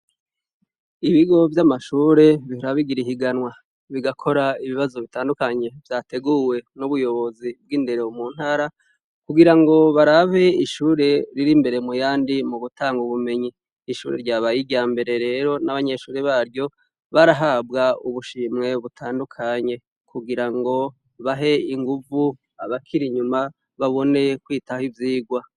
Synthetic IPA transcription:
iβiɡo̞vjamaʃuːɾe̞βihuɾaβiɡiɾiɦiɡanwa | βiɡakʰo̞ɾaiβiβazo̞βitaːndukaɲe̞vjaːte̞ɡuwe̞nuβujo̞βo̞zib̚ɡinde̞ɾeumuːn̥haːɾa | kuɡiɾaŋɡo̞βaɾaβe̞iʃuːɾe̞ɾiɾimbe̞ɾe̞mujaːndimuɡutaːŋɡuβume̞ɲiː | ʃṵːɾeɾɟaːβajiɟaːmbe̞ɾe̞ɾe̞ɾo̞naβaɲe̞ʃuːɾeβaːɾɟo̞ | βaɾaɦab̚ɡauβuʃiːmŋe̞βutʰaːndukʰaɲe̞ | kʰuɡiɾaŋɡo̞ | βaɦe̞iŋɡuvu | aβakʰiɾiɲuma | βaβo̞ne̞kwiːtahivjiːɡwa

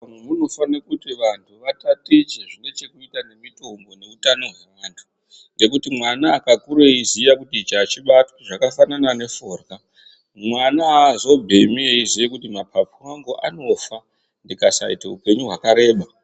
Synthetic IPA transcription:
mwemuno̞fanakutiʋantʰuʋatatet͡ʃeʐine̞t͡ʃe̞kuitane̞mito̞mbo̞ne̞utano̞ɦwe̞ʋaːntʰu̥ | ŋɡe̞kutimwanaːkakuɾeizijakutit͡ʃat͡ʃiɓatoʐakafananane̞fo̞rɡa | mwanazo̞bʱe̞mieizijekutimapʰap͡fuwaŋɡoʔa̰no̞fa | ndikasa̰ḭtaupe̞ɲuɦwakaɾe̞ːɓa

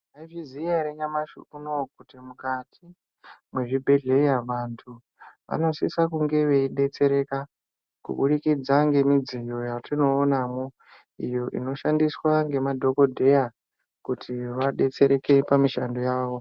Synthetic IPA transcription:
aiʐizijaɾeɲamaʃṵkunokutimukatʰi | mwe̞ʐibʱe̞ɮe̞jaʋantʰu | ʋa̰no̞sḭsakuŋɡe̞ʋe̞iɗe̞t͡se̞ɾe̞ka | kṵɓuɗikid͡zaŋɡe̞mid͡zijo̞jatino̞ːnamo | ijo̞ʔḭno̞ʃandiswaŋɡe̞madʱo̞ko̞dʱe̞ja | kutʰiʋaɗe̞t͡se̞ɾe̞ke̞pamiʃando̞jaːʋo̞

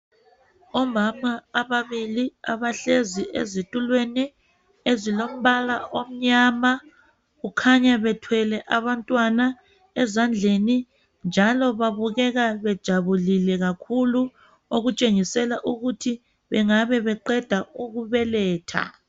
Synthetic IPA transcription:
ɔmamaːβaβiliaβaɬeziḛzitʼulweni | ezilom̩βalaʔom̩ɲaːma | ɣukʰaɲaβɛtʰwɛlɛʔaβantʼwana | ɛzand͡ɮʱeni | nd͡ʒʱalɔβaβuɣɛɣaβɛd̥ʒ̥ʱaβulilɛɣakʰulu | oɣut͡ʃʼeŋisɛlaʔuɣutʰi | βɛŋaβɛβɛǃɛd̥ʱauɣuβɛlɛːtʰa̰

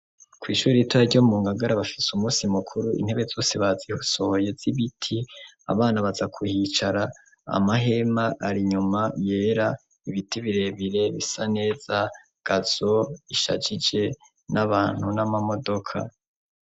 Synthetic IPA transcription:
kwiːʃuːɾiitwaɾɟomuːŋɡaɡaɾaβafi̥sumuːsimukʰuɾuʔḭn̥he̞βe̞zo̞ːseβazihuso̞ho̞je̞z̥iβitʰia̰βaːnaβazakʰuhit͡ʃaɾa̰ː | maɦe̞maʔaɾiɲumaje̞ːɾa | iβitiβiɾe̞βiɾe̞βisane̞ːz̥a | ɡ̥az̥o̞iʃa̰d͡ʒid͡ʒe̞ | nʔaβaːn̥hunamamo̞do̞kʰa̰

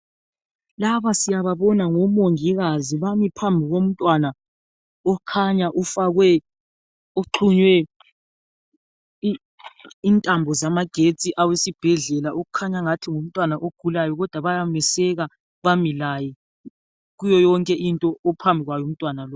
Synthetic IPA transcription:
laβasijaβaβɔnaŋɔmoŋiɣaziβamipʰambʱiɣom̩tʼwana | ɔkʰaɲaʔufaɣwɛ | oǃʰuɲwɛ | intʼambʱɔzamaɡ̥ʱet͡sʼiʔawesib̥ʱɛɮɛlaʔoɣukʰaɲaŋatʰiŋom̩tʼwanaʔoɡ̥ʱulajɔɣɔd̥ʱwaβajamɛsɛɣa | βamilajɛ | ɣujɔjɔŋkʼɛʔintʼɔːpʰambʱiɣwajɔum̩tʼwanalɔ

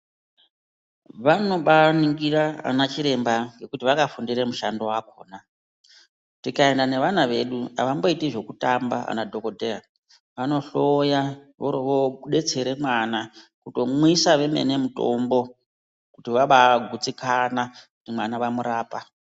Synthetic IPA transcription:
ʋano̞ɓaniŋɡiraa̰nat͡ʃiɾe̞mbaŋɡe̞kutiʋakafundiɾemuʃando̞wako̞̰ːna | tikae̞ndane̞ʋanaʋe̞ɗua̰ʋambo̞itiʐo̞kutamba̰a̰nadʱoko̞dʱera | ʋano̞ɬojaʋoɾoʋoɗe̞t͡se̞ɾe̞mwanakuto̞mwisaʋe̞mḛne̞muto̞̰mbo̞ | kutiʋaɓaɡʱut͡sikanakutimwanaʋamuɾaːpa

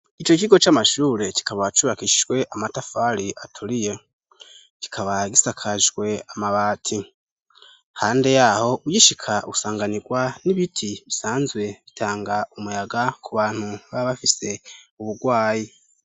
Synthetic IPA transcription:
it͡ʃo̞ciɡo̞t͡ʃamaʃuːɾe̞ci̥kaβaβat͡ʃuβakiʃiʒɡwe̞ʔamatafaɾiʔatʰuɾije̞ | ki̥kʰaβaɡisakʰaʒɡwe̞amaβaːtʰi | haːnde̞jaho̞ujiʃikʰausaːŋɡaniɡwaniβitʰiβisaːnzwe̞βitʰaːŋɡaumujaɡakʰuβaːn̥huβaβafise̞uβuɡwaːji

